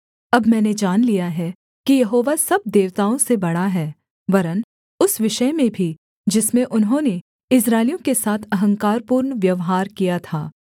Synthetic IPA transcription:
ɐbmɛ̃ːned͡ʒaːnlijaɦɛ | kijɐɦoːʋasɐb̚d̪eːʋt̪aːõsebɐɽaɦɛː | ʋɐɾən | ʊsʋɪʃəmẽbʱi | d͡ʒɪsmẽʔʊnɦõːne | ɪs̬ɾaːɪlijõkesaːt̪ʰɐɦə̃ŋkaːɾpuːɾnʋjɐʋɦaːɾkijat̪ʰaː

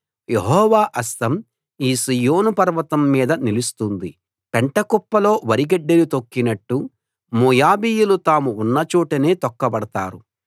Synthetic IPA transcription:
jeɦɔːʋaːʔɐst̪ɐm | iːsijoːnupɐɾʋɐt̪ɐmːiːd̪ɐnilust̪und̪i | peɳʈɐkɔpːɐlo̞ːʋɐɾiɡɐɖːelut̪okːinɐʈːu | moːjaːbiːjulut̪aːmuːnːɐt͡ʃuːʈɐne̞ːt̪ɔkːɐbɐɽɐt̪a̰ːɾu

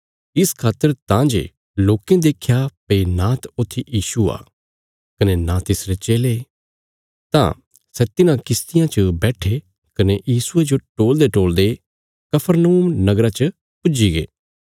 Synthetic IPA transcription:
ɪskʰaːt̪ːəɾt̪ãd͡ʒḛ | loːkẽd̪eːkʰjapɐinãːt̪ʊt̪ʰːijiːsua̰ː | kɐnenãt̪ɪsɾet͡ʃeːle | t̪ã̰ | sɛt̪ɪnãkɪst̪ɪjãt͡ʃəbɛːʈʰe | kɐnejiːsʊed͡ʒoʈoːld̪eʈoːld̪e | kɐpʰəɾnəuːmnɐɡɾãt͡ʃə | pʊd͡ʒiɡḛː

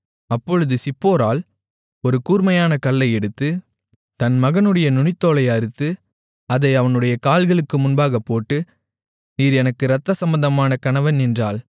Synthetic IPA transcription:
ɐpːɔɻɯðɯsɪpːoːɾaːl | ɔɾɯkuːɾmɐjaːnɐkɐɭːɐɪɛɽɯt̪ːɯ | t̪ɐnmɐɣɐnɯɽɐjɐnʊɳɪt̪ːoːlɐɪɐɾɯt̪ːɯ | ɐðɐɪɐʋɐnɯɽɐjɐkaːlɣɐɭɯkːɯmʊnbaːɣɐpːoːʈːɯ | niːɾɛnɐkːɯɾɐt̪ːɐsɐmbɐnd̪ɐmaːnɐkɐnɐʋɐnɛndraːl

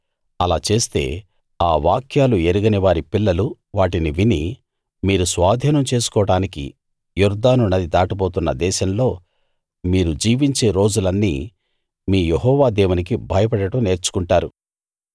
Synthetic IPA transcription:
ɐlaːt͡ʃe̞ːst̪e̞̰ː | aːʋaːkʰjaːlueɾuɡɐniʋaːɾipilːɐlu | ʋaːʈiniʋini | miːɾusʋaːd̪ʱiːnɐmt͡ʃe̞ːsu̥kɔːɐɽaːnikḭ | juɾd̪aːnunɐd̪id̪aːʈipoːt̪unːɐd̪ɛːʃɐmlo̞ː | miːɾud͡ʒiːʋiɲt͡ʃe̞ːɾo̞ːd͡ʒulɐnːḭː | miːjeɦɔːʋaːd̪eːwunik̬ibʱɐjɐp̬ɐɽɐʈɐmne̞ːɾt͡ʃu̥kuɳʈaːɾu

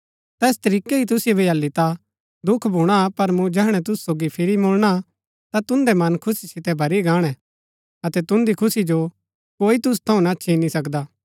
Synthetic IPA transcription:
t̪ɛːst̪ɐɾiːkeit̪̬ʊsɪjobʱiɐlːit̪a | d̪ʊkʰbʱuːɽ̃apɐɾmũd͡ʒɛːɦɽ̃ɛt̪̬ʊsusoːɡipʰɪɾimoːlɽ̃a | t̪at̪ʊ̃nd̪ɛmɐnkʰʊsisɪt̪ɛbʱɐɾiɡãːɽ̃ɛ̃ | ɐt̪ɛt̪ʊ̃nd̪ikʰʊsid͡ʒo | koːit̪̬ʊs̬t̪ʰɐ̃ũnatːʃʰinisɐkd̪aː

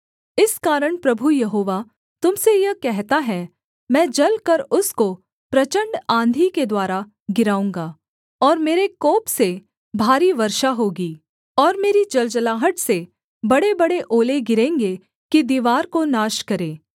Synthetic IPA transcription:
ɪskaːɾəɽ̃pɾɐbʱujɐɦoːʋa | t̪ʊmsejɐkɛɦt̪aɦɛ | mɛ̃ːd͡ʒɐlkɐɾʊsko | pɾɐt͡ʃə̃ɳɖãːnd̪ʱiked̪waːɾa | ɡɪɾaːũːŋɡaː | ɔːɾmeːɾekoːpse | bʱaːɾiʋɐɾʃaɦoːɡiː | ɔːɾmeːɾid͡ʒɐld͡ʒəlaːɦəʈse | bɐɽebɐɽeʔoːleɡɪɾẽːŋɡe | kid̪iːʋaːɾkonaːʃkɐɾẽː

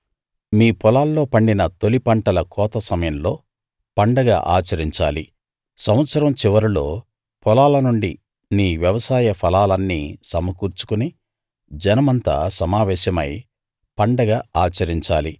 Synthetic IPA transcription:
miːpɔlaːlːo̞ːpɐɳɖinɐt̪o̞lipɐɳʈɐlɐkɔːt̪ɐsɐmɐjɐmloː | pɐɳɖɐɡa̰ːʔa̰ːt͡ʃɐɾiɲt͡ʃaːli | sɐm̃ʋɐt̪sɐɾɐmt͡ʃiʋɐɾulo̞̰ː | pɔlaːlɐnuɳɖi | niːʋjɐʋɐsaːjɐpʰɐlaːlɐnːiːsɐmɐkuːɾt͡ʃu̥kuni | d͡ʒɐnɐmɐnt̪a̰ːsɐmaːʋɛːʃɐmɐ̰j | pɐɳɖɐɡaːaːt͡ʃɐɾiɲt͡ʃaːli

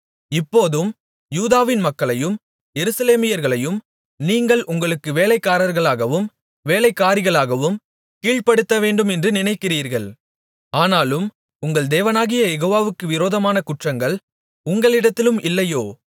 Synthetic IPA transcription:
ɪpːoːðɯm | juːðaːʋɪnmɐkːɐɭɐjɯm | jɛɾɯsɐleːmɪjɐɾɣɐɭɐjɯm | niːŋɡɐɭʔʊŋɡɐɭɯkːɯʋeːlɐɪkːaːɾɐɾɣɐɭaːɣɐʋɯm | ʋeːlɐɪkːaːɾɪɣɐɭaːɣɐʋɯm | kiːɻpɐɽɯt̪ːɐʋeːɳɖɯmɛndrɯnɪnɐɪkːɪriːɾɣɐɭ | aːnaːlɯm | ʊŋɡɐɭd̪eːʋɐnaːɣɪjɐjɛɣoːʋaːʋɯkːɯʋɪɾoːðɐmaːnɐkʊʈrɐŋɡɐɭ | ʊŋɡɐɭɪɽɐt̪ːɪlɯmʔɪlːɐjoː

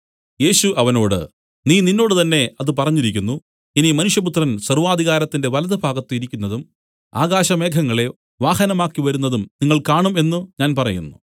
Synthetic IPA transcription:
je̞ːɕuʔɐʋɐno̞ːɽɨ̰ | niːninːo̞ːɽɨt̪ɐnːe̞ɐðɨp̬ɐrɐɲːiɾikʲːunːu | enimɐnuʂjɐp̬ut̪rɐnsɐrʋaːd̪ʱiɣaːɾɐt̪ːinde̞ʋɐlɐðɐbʱaːɡɐt̪ːɨiɾikʲːunːɐðum | a̰ːɡaːɕɐme̞ːkʰɐŋːɐɭe̞ | ʋaːhɐnɐmaːkːiʋɐɾunːɐðumniŋːɐɭkaːɳume̞nːuɲaːnpɐrɐjṵnːu

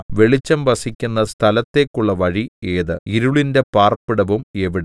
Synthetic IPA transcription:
ʋe̞ɭit͡ɕːɐmʋɐsikʲːunːɐst̪ʰɐlɐt̪ːe̞ːkːuɭːɐʋɐɻieːðɨiɾuɭinde̞paːrpiɽɐʋume̞ʋiɽe

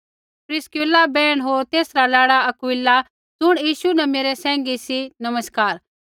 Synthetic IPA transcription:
pɾɪskulabɛːɽ̃ɦoːɾt̪eːsɾalaːɽaɐkʊɪlːa | d͡zʊɽ̃jiːʃunɐmeːɾɛsɛ̃ːŋɡisinɐməskaːɾ

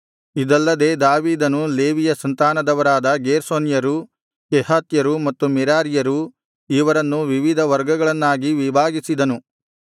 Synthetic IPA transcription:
id̪ɐlːɐd̪e̞ːd̪aːʋiːd̪ɐnule̞ːʋijɐsɐnt̪aːnɐd̪ɐʋɐɾaːd̪ɐɡeːɾsoːnjɐɾu | kɛɦaːt̪jɐɾumɐt̪ːumɛɾaːɾijɐɾu | iʋɐɾɐnːuʋiʋid̪ʱɐʋɐɾɡɐɡɐɭɐnːaːɡiʋibʱaːɡisid̪ɐnu

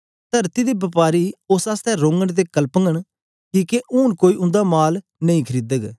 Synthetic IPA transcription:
t̪ɐɾt̪id̪ibɐpaːɾiosaːst̪ɛɾõːŋɡəɽ̃t̪̬ekəlpəŋɡəɽ̃ | kiːkeʔʊːnkoːiʊ̃nd̪amaːl | nɐ̃ĩkʰəɾiːd̪əɡ

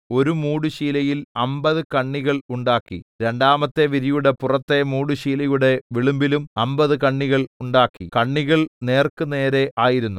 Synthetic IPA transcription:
o̞ɾumuːɽuɕiːlɐjilɐmbɐðɨkɐɳːiɣɐɭuɳɖaːkːḭɾe̞ɳɖaːmɐt̪ːe̞ʋiɾijuɽe̞purɐt̪ːe̞muːɽuɕiːlɐjuɽe̞ʋiɭumbilumɐmbɐðɨkɐɳːiɣɐɭuɳɖaːkːḭkɐɳːiɣɐɭne̞ːrkɨne̞ːɾe̞ʔaːjiɾunːu

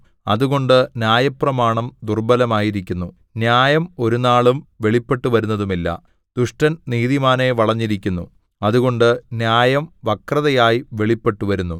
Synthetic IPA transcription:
ɐ̰ðuɣo̞ɳɖɨnjaːjɐprɐmaːɳɐmd̪urbɐlɐmaːjiɾikʲːunːu | njaːjɐmo̞ɾunaːɭumʋe̞ɭipːe̞ʈːuʋɐɾunːɐðumilːɐ̰ | d̪̥uʂʈɐnniːðimaːneʋɐɭɐɲːiɾikʲːunːu | ɐðuɣo̞ɳɖɨnjaːjɐmʋɐkrɐðɐjaːjiʋe̞ɭipːe̞ʈːuʋɐɾunːu

